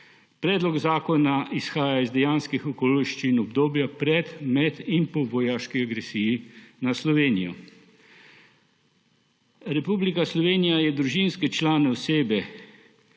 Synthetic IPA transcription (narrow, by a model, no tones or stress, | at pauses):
pɾɛːd̪lɔɡzaːkɔnaʔisxaːjaizd̪ɛjaːnskixɔkoːliʃt͡ʃiːnɔbd̪oːbjapɾɛt̪mɛt̪inpɔʋɔjaːʃkiaɡɾɛsiːjinaslɔʋeːnijɔ̰ | ɾɛpublikaslɔʋeːnijajɛd̪ɾuʒinskɛt͡ʃlaːnɛɔseːbɛ